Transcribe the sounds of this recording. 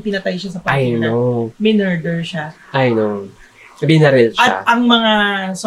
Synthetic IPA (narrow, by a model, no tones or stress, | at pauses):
pɪnɐt̪ajʃasɐpɐajnomɛnɛɹd̪ɛɹʃa | ʔɐjno | mbɪnɐɾɛlʃaʔɐŋmɐŋas